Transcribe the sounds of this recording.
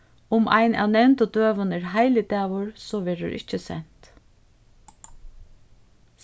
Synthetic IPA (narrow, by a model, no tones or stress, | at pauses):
ʊmʔa̰jnæ̰wnɛnt̪ʊd̪øːʋənɪɾɦaɪlɪd̪æːʋʊɹsɔːʋɛːɾʊ̰ɾʔɪ̰t͡ʃːəsɛ̰n̥t̪